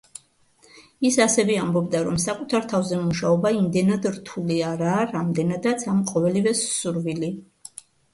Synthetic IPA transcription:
isasɛvɛambɔbd̪aɾɔmsakʼut̪ʰaɾt̪ʰavzɛmuʃaɔbaimd̪ɛnad̪ɾt̪ʰuliaɾaːɾamd̪ɛnad̪at̪sʰamqʼɔvɛlivɛsːuɾvili

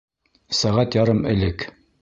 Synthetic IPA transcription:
sæʁæt̪jɑɾɤmɘ̆lɘk

